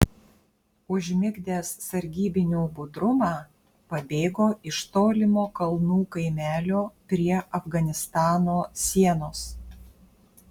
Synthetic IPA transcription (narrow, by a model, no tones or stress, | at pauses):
ʊʒʲmʲɪɡd̪ʲeːsːɐɾʲɡʲiːbʲɪnʲuːbʊd̪ɾʊmɑː | pɐbʲeːɡoːʔɪʃt̪oːlʲɪmoːkɐlˠnuːkɐɪmʲæːlʲoːpʲɾʲiɛʔɐfɡɐnʲɪst̪ɑːnoːsʲiɛnoːs